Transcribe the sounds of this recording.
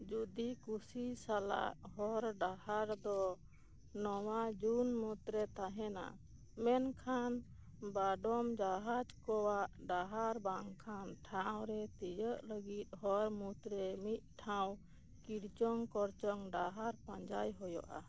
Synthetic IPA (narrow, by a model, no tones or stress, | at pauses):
d͡ʒud̪ikusisala̰ʔɦɔɾɖahaɾd̪ɔ | nɔwad͡ʒunmut̪ɾɛt̪aɦɛna̰ | mɛnkʰan | baɖɔmd͡ʒaɦad͡ʒkɔwaʔɖaɦaɾbaŋkʰanʈʰawɾɛt̪ijəʔləɡit̪̚ɦɔɾmut̪ɾɛmit̪̚ʈʰãw̃ | kiɽt͡ʃɔŋkɔɾt͡ʃɔŋɖaɦaɾpãɲd͡ʒajɦɔjɔ̰ʔa̰